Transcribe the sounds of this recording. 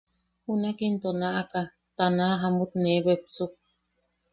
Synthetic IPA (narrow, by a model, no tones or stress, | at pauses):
hunakint̪onaʔaka | t̪anaaɦamut̪nebepsuk̚